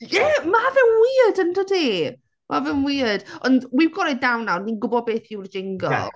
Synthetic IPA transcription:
jɛmavɛnwiːədəntʰɔdeː | mʔavɛnwiːəd̥ɔndwiwɡɔɾɪnawnːawninɡʊbɔd̚beːθɪwrd͡ʒɪŋɡə̰lˠ

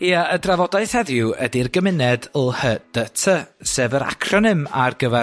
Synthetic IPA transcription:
iaədravɔdaɨθhɛðjʊə̰dirɡəmɪnɛdlˠhəd̥ətʰəsɛvəɾa̰kʰrɔnɨmarɡəvɛ

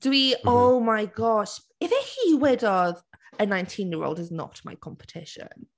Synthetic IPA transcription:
d̥əiʔoʊmaɪɡɒʃ | ɪfɪhiwɪdəð | ənãɪ̃ntʰĩnjɪːɹo̰ʊlˠdɪznɔ̰k̚tʰma̰ɪkʰɒ̃mpə̥tʰɪʃə̰̃n

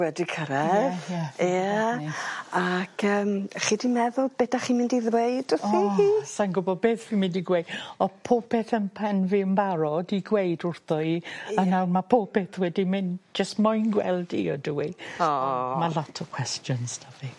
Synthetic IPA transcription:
wɛdikʰəɾɛjaja | akʰəːmχidimɛðʊlˠb̥edaχimɪ̃ndiðwejdɔɔiisanɡʊbɔbeːθvimɪ̃ndiɡwejdɔpʰopʰɛθənpʰɛnvɪmbaɾɔdiɡwejdʊrθɔiənawnmapʰopɛθwɛdimɪnd͡ʒəstmɔjnɡwɛ̰lˠdḭɔdʊwi | malˠɔtʰɔkʰw̥ɛstjɔnsdavi

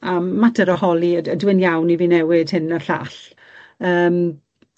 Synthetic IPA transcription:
aːatəɾəhɔlˠiəədwɪnjawniviːnɛwɪd̥hɪnəɬa̰ɬ | əːm

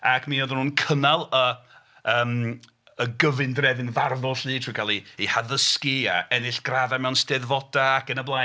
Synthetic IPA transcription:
akʰmioðnhuːnkʰənalˠə | əːm | əɡəvɨndrɛðɪnvarðʊɬɨːtʰriːkʰalˠiːhaðəskia̰ɛnɪɬɡ̥raðamɛwnstɛðvɔdaːkənəblˠa

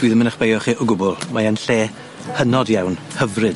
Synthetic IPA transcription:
d̥wiːðəmɪnəχb̥ejɔχiʔɔɡʊbɔlˠmaənɬeː | hənɔdjawnhəvrɨd̥

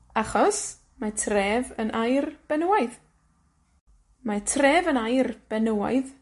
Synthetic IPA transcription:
aχɔs | matʰreːvənʔajrb̥ɛnəwajð | matʰreːvənajrb̥ɛnəwa̰jð

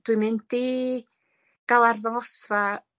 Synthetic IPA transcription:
d̥wɨmɨnti | ɡ̥alˠarðɔŋɔsva

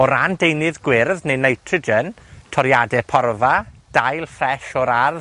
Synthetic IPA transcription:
ɔɾandejnɨðɡwɪrðnejnajtʰrəd͡ʒən | tʰɔɾjadɛpʰɔrvad̥ajlˠfrɛʃɔɾar

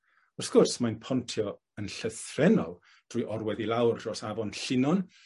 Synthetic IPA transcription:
ɔrθkʊrsmajnpʰɔntʰjɔ | ənɬəθrɛnɔlˠ | d̥rujʔɔrwɛðilˠawrdrɔsavɔnɬɪnɔn

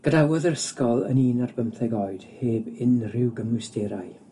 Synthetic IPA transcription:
ɡ̥ədawɔðəɾəskɔlˠə̰niːnarbəmθɛɡɔɨd̥heːbɪnrɪwɡəmʊsteɾaj

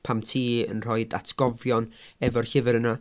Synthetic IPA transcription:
pʰamtʰiːə̰nr̥ɔɨda̰tʰɡ̥ɔvjɔnɛvɔrɬɪvɪɾəna

